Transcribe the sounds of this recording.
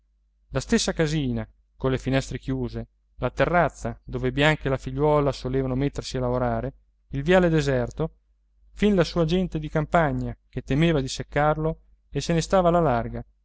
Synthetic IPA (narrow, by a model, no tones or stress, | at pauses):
last̪esːakaziːna | konlefinɛst̪ɾek̟juːze | lat̪erːat̪sːad̪oːvebjaŋkelafiʎːwɔːlasoleːvanomet̪ːersialavoɾaːɾe | ilvjaːled̪ezɛrt̪o | finlasuːad͡ʒɛnt̪ed̪ikampaɲːak̟et̪ːemeːvad̪isekːarlo | esenest̪aːvalalarɡa